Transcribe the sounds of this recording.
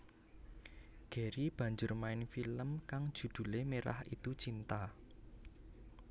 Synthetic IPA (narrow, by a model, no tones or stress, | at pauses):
ɡ̥e̤ɾib̥ä̤ɲd͡ʒʊrmaɪnfiləmkaŋd̥ʒ̥ṳd̪̥ṳlemeɾa̰hit̪ut͡ʃint̪a